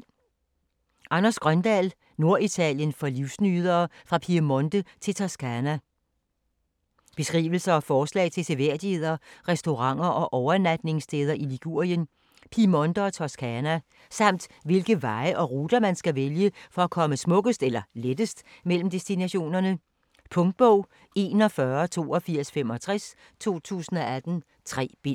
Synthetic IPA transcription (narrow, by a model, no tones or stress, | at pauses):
ʔɑ̈nɐsɡ̥ʁɶnd̥ɛ̰l | no̝ɐʔit͡sʰɛ̰ljənfɒ̽liʊsnyːð̞ˠɐːfʁɑ̈pʰiɐmɔ̽nd̥ət͡sʰe̝t͡sʰɑsɡ̥ʰænæ | b̥e̝sɡ̥ʁḭːʋl̩sɐɒfɒːslɛ̰ːɪt͡sʰe̝seʋeɐ̰d̥ihe̝ð̞̰ˠɐʁɛsd̥o̝ʁɑ̈ŋ̰ɐʔɒ̽ʔɒʊɐnæd̥ne̝ŋsd̥ʰeːð̞ˠɐʔiliɡ̥uɐ̰jən | pʰimɒ̽nd̥ɐːt͡sʰɒskʰænæ | sɑ̈m̰d̥ʋe̝lɡ̥əʋɑ̈ɪəʔɒ̽ʁuːd̥ɐmænsɡ̥æʋeljəfɒ̽ækʰɒ̽məsmɔ̽ɡ̥əsd̥elɐled̥əsd̥mel̰m̩d̥e̝sd̥inæɕo̝̰ːnɐnə | pʰɔ̽ŋd̥̚b̥ɔʊ̰ | e̝nɒ̽fɶɐt͡sʰo̝̰ːɒ̽fiɐ̰sfem̰ɒ̽t͡sʰʁɛs | t͡sʰo̝̰ːt͡sʰṵːsn̩ɒ̽æd̥n̩ | t͡sʰʁɛ̰ːb̥e